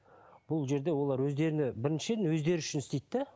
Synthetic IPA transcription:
b̥ʊlˠʒe̞ɾd̪e̞wo̞lˠɑɾwɵzd̪e̞ɾɪnɪbɪɾɪnʃeɪnwɵzd̪e̞ɾɪʏʃɪnɪst̪ejt̪ːe

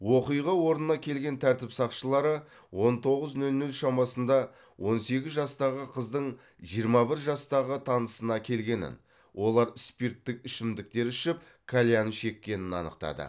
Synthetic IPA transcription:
wo̞qijʁɑwo̞ɾnənɑkʲʰe̞lɡʲe̞nt̪ʰæɾt̪ɪpsɑqʃəlˠɑɾə | wo̞nt̪ʰo̞ʁəznɵlnʉlʃɑmɑsənd̪ɑ | wʔo̞nse̞ɡʲɪzʒɑst̪ɑʁəqʰəzd̪əɴ | ʒijəɾmɑbɪɾʒɑst̪ɑʁət̪ʰɑnəsənɑkʲʰe̞lɡʲe̞nɪ̰n | wʔo̞lˠɑɾɪspirt̪ːɪk̚ʲɪʃɪmd̪ɪk̚t̪e̞ɾʏʃɪp̚ | kʰalʲjanʃe̞kʲːe̞nɪnɑ̰nə̰q̚t̪ɑ̰d̪ə̰

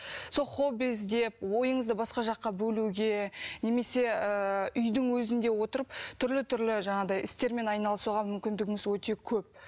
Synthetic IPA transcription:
so̞lˠχo̞bizd̪e̞p̚wo̞jəɴəzd̪əbɑsqɑʒɑqːɑbɵluɡʲe̞ne̞me̞se̞əʏjd̪ɪŋwɵzɪnd̪e̞wo̞t̪əɾəpt̪ʰʏɾlɪt̪ʰʏɾlɪʒɑɴɑd̪ɑjɪst̪e̞ɾme̞nɑjnɑlˠəsuʁɑmʏmkʲɪnd̪ɪɡʲɪŋɪzwɵt̪e̞kʲʰɵp̚

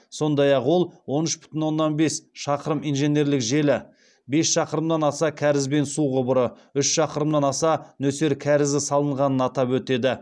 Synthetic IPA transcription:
so̞nd̪ɑjɑqwo̞lˠwo̞nʏʃbʏ̥t̪ɪnwo̞nːɑnbe̞sʃɑqəɾəmijnʒe̞nʲe̞ɾlɪkʒe̞lɪ | be̞sʃɑqəɾəmd̪ɑnɑsɑkʲʰæɾɪzbe̞nsuʁəbʊɾə | ʏʃʃɑqəɾəmd̪ɑnɑsɑnɵse̞ɾkʲʰæɾɪzɪsɑlˠəɴʁɑnənɑt̪ɑpwɵt̪e̞d̪ɪ

